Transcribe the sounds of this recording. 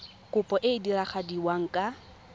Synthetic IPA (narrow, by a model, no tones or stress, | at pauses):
kʼʊpʼɔʔɪdiraχadiwaŋ̩kʼa